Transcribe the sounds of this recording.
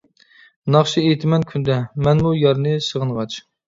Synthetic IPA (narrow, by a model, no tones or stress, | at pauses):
nɑχʃiejt̪ʰɪmɛnkʲʰynd̪ɛmɛnmujɑɾnɨsəʁənʁɑt͡ʃ